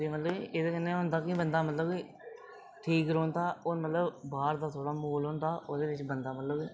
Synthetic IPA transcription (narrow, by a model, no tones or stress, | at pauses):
d̪eːmət̪ləbiːʔeːd̪eːkənːẽːɦʊnd̪aːkɪbənd̪aːmət̪ləbiː | ʈʰiːkɾõːnt̪aːoːnmət̪ləbbaːɾd̪aːt̪ʰoːɽaːmuːloːnt̪aːʔod̪eːʋɪt͡ʃbənd̪aːmət̪ləbi